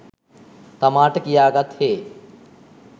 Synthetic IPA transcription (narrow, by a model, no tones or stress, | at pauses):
t̪ɐmaːʈkijaːɡɐt̪ʰheː